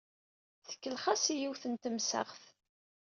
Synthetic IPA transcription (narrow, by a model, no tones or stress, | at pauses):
θə̥kːəlχasijiwθənt̪əmsə̰ʁθ